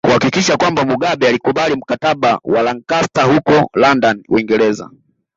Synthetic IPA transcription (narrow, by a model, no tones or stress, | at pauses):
kuhakikiʃakwambamuɠaɓɛalikuɓalim̩kataɓawalaŋkastahukɔlandanwiŋɡɛɾɛza̰